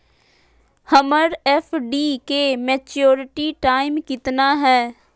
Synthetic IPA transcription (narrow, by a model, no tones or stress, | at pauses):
həməɾɛfʰɖiːkeːmeːt͡ʃjoːɾɪʈiːʈaːɪmkɪt̪naːɦɛː